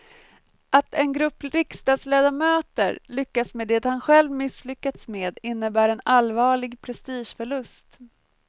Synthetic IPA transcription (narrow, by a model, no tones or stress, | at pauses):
ʔat̪ʰɛnɡɾɵpːɾɪkst̪ɑːd̪sleːd̪amøːt̪ə̰ɾlʏkːasmeːd̪ɛːt̪hanɧɛlvmɪslʏkːat̪smeːd̪ɪnːəbæːɾɛnalvɑːɭɪɡpʰɾɛst̪iːʂfœɭɵst̪